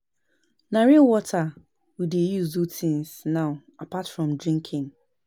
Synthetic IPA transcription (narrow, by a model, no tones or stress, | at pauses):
naɹiwɔtʰa | widejuzutʰĩnsnãʊapʰatfɹɔ̃mdɹĩŋkʰɪ̃ŋ